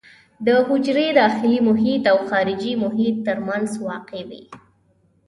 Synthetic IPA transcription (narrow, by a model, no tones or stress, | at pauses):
d̪əɦʊd͡ʒɾed̪ɑxɪlimʊɦit̪awxɑɾɪd͡ʒimʊɦit̪ːəɾmanzwɑqewḭ